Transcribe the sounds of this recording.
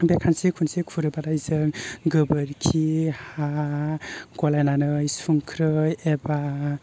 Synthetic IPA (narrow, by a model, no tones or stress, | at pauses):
bekʰansikʰunsikʰuɾɯbadajzɯŋɡɯbɯɾkʰiha | ɡɔlajnanɯjsuŋkʰɾɯjeba